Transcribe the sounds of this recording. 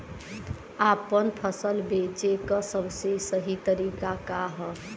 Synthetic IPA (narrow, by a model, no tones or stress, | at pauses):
apənpʰəsəlbet͡ʃekəsəbsesəɦit̪əɾikakaɦə